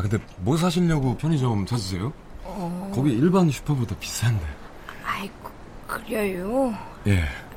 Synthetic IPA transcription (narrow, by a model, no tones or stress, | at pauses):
kɯnde̞mos̬ʰaɕʰiɭɲʌɡopʰjʌɲid͡ʑomt͡ɕad͡ʑis̬ʰejo | kʌɡiiɭbanɕʰu̥pʰʌbodʌpi̥s͈ande | ai | kɯɾjʌjo | je̞